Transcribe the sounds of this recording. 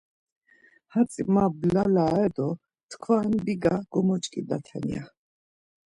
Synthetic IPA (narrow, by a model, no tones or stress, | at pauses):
hat͡sʼimablalaɛd̪ɔ | t̪ʰkʰwaɛnbiɡaɡ̥ɔmɔt͡ʃʼkʼid̪at̪ʰɛ̰nḭa̰